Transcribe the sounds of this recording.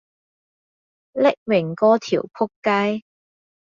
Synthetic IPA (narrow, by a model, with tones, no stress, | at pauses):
lɪ˦˥k̚mɪ˨˩ŋkɔː˥t̪ʰḭː˨˩wpʰʊ˥kːa˥j